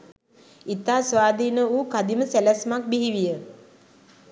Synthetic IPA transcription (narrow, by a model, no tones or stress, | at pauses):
it̪aːsʋaːd̪iːnəuːkad̪iməsælɛsmak̚biɦiʋijə